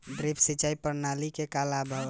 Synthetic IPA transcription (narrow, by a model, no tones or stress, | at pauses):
ɖɾipʰsit͡ʃaipəɾnalikekalabʱə